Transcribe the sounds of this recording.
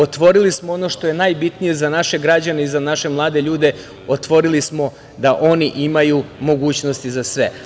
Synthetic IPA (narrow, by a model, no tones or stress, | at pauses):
ot̪ʋo̞ɾilismoono̞ʃt̪o̞je̞najbit̪nije̞zanaʃe̞ɡɾad͡ʑane̞izanaʃe̞mlˠaːd̪e̞ʎuːd̪e̞ | ot̪ʋo̞ɾilismo̞ | d̪aʔo̞niʔimajumo̞ɡuːt͡ɕno̞st̪izasʋe̞